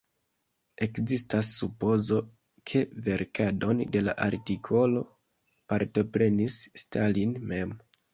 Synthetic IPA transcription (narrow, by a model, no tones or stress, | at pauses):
e̞kzistasːupo̞zo̞ | kʰe̞ve̞ɾkʰado̞nde̞laʔaɾtikʰo̞lo̞ | paɾto̞pɾe̞nisːtalinme̞m